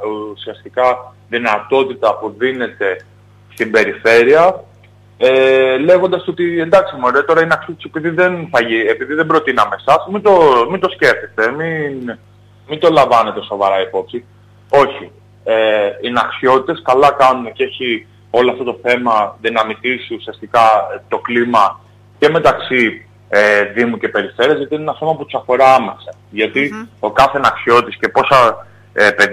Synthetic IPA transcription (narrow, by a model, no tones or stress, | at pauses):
usiɐst̪ikɐ | ðinɐt̪o̞t̪it̪ɐpuðine̞t̪e̞ | st̪imbe̞ɾife̞ɾiɐ | ele̞ɣond̪ɐso̞t̪ie̞nd̪ɐksimuoɾtet̪o̞ɾɐinɐxsjot̪sepiðiðenθɐʝiepiðiðembɾo̞t̪inɐme̞sɐsmind̪o̞mind̪o̞sce̞fθest̪e̞min | mint̪o̞lɐɱvɐne̞t̪e̞so̞vɐɾɐipo̞psi | o̞çi | einɐksio̞t̪it̪e̞skɐlɐkɐnunece̞çi | o̞loɐft̪o̞t̪o̞θe̞mɐðinɐmit̪isiusiɐst̪ikɐt̪o̞klimɐ | ce̞me̞t̪ɐksi | eðimucepe̞ɾife̞ɾiezʝɐt̪inenɐso̞mɐput̪u̥sɐfo̞ɾɐɐme̞sɐ | ʝɐt̪io̞kɐθenɐksio̞tt̪isce̞po̞sɐ | epe